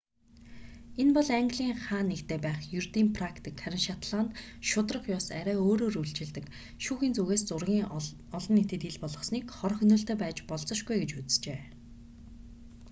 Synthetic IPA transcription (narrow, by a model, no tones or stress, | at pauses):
enpɔɮaŋɡʲɮiːŋχaːnːekt̪ʰeːpæːχjɵrt̪iːmpʰrakt̪ʰikχæɾʲɪ̆nʃat̪ɮaːnt̪ | ʃʊt̪rə̆χjɔːsæɾʲæːoːɾoːruɮt͡ɕɪ̆ɮt̪ɘ̆k | ʃuːxiːnt͡suɣeːst͡sʊrɣʲiːŋ | ɔɮɞ̆nːet̪ɘ̆t̪iɮpɔɮʁɞ̆sniːkχɔrxɵnɵ̆ɬt̪eːpæːt͡ɕpɔɮt͡sɞ̆ʃɡujɡet͡ɕut͡sɘ̥̆t͡ɕeː